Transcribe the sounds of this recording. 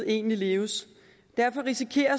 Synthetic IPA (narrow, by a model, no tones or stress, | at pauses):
e̝̰ːnlile̝ːʊəs | d̥æɐfɒ̽ʁisikʰe̝̰ːɐ